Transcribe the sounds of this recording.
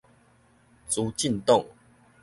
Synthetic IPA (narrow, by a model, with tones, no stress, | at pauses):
t͡su˨˦t͡ɕi˥˨nt̪ɔ˥˨ŋ